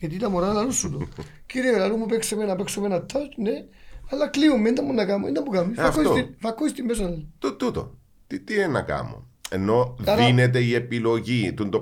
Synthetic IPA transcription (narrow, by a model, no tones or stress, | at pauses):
jɐt̪it̪ɐmoɾɐðlɐlusːut̪o | ciɾielɐlumːupeksemenɐpeksomenɐt̪ːɐtneɐlːɐkliumːeind̪ɐmːunːɐkɐmuḛnd̪ɐmːukɐmːiɐfkːosoifɐkːoist̪immes̬ɐlt̪ut̪ut̪o̰ | t̪it̪ienɐkɐ̰mo̰ | enːo̞ðɾinet̪e̞ie̞pilo̞ʝit̪und̪o